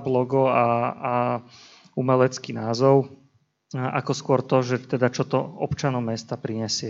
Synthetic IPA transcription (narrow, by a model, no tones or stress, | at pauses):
blɔɡɔaa | umɛlɛt͡skinaːzɔʊ | a̰kɔskʊɔɾt̪ɔʒɛt̪ɛd̪at͡ʃɔt̪ɔɔpt͡ʃanɔmɛst̪apɾiɲɛsɪɛ